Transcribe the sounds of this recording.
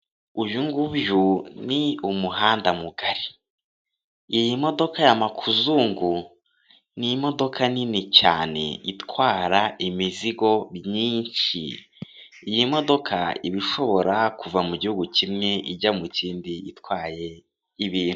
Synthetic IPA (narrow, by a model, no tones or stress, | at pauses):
ujuŋɡuβjuniumuɦaːndamuɡaɾi̥ | jimo̞do̞kajamakʰuzuːŋɡu | nimo̞do̞kʰaninicaːne̞̰itkwaːɾaʔimiziɡo̞bɲiːnʃḭː | jimo̞do̞kʰa̰ḭβiʃo̞βo̞ɾakuvamuɟihuɡucimŋe̞iɟamuciːndiitwaːje̞ | iβiːnhu